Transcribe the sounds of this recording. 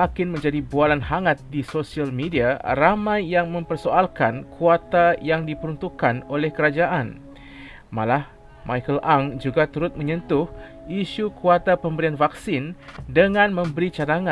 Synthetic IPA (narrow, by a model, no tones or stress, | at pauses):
akɪnmə̃ɲd͡ʒadibualanhaŋat̪̚disosialmediaramãjːaŋmə̃mpərsoalkankʰuat̪ajaŋdipəɾunt̪ukːanolɛhkəɾad͡ʒaʔan | malah | mʔajkəlʔaŋd͡ʒuɡat̪uɾʊt̪̚mə̃ɲə̃nt̪ʊh | iʃukuat̪apəmbəɾianvaksɪndəŋãnmə̃mbəɾit͡ʃadaŋã